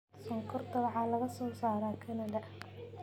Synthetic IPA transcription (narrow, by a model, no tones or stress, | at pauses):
sɔŋkʰɔrd̪ɐβʕɑːlɐɣɐsɔːsaːɾaːkʰɐnɐðɐ